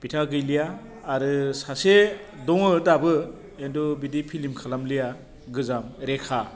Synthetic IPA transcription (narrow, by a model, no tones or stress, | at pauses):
b̥itʰaɡɯjlijaː | ɾɯsasedɔŋɯdabɯ | endɔbidipʰilimkʰalamlija | ɡɯzamɾekʰa